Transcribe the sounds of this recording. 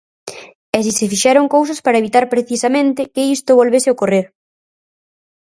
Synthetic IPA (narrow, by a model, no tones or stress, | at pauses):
ɛsisefiʃɛɾoŋkowsɐspaɾɐeβit̪aɾpɾeθisamẽnt̪ɪkɪist̪ʊβolβesɪokoreɾ